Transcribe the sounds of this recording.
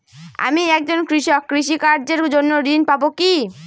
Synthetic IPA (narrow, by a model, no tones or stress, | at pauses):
a̰miɛk̚d͡ʑonkɾiʃɔkːɾiʃikaɾd͡ʑeɾd͡ʑonːoɾinpaboki